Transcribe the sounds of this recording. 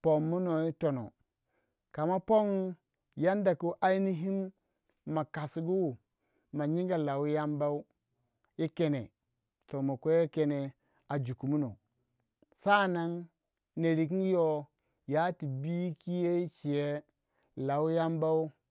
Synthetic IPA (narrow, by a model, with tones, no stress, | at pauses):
po˨mːu˦no˨i˦to˨no̰˨ | ka˨ma˦po˦ŋ˦ | ja˦nda˨ku˦ʔa˦i˦ni˦ɦi˦m | ma˨ka˨sɡu˦˨ | ma˨ɲi˦ŋɡa˨la˨wja˦mba˦u˦ | i˦ke˨nḛ˨ | to˨mo˨kʷe˦ke˨ne˨ | a˨d͡ʒu˨ku˨mu˦no̰˨ | sa˦˨na˦ŋ | ne˨ɾi˨k̬i˦jo˦ | ja˨˦ti˨bi˦ki˦je˦i˦t͡ʃi˨je˦ | la˨wu˦ja˦mba˦u˦